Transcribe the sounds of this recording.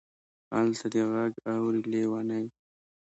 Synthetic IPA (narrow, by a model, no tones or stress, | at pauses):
a̰lt̪ʰad̪eɣaɡawɾilewanaj